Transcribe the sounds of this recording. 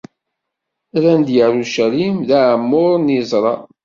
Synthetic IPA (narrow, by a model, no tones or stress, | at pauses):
ɾænd̪jəɾuʃæɾimðæʕmːʊɾˤnizˤɾˤɑ̰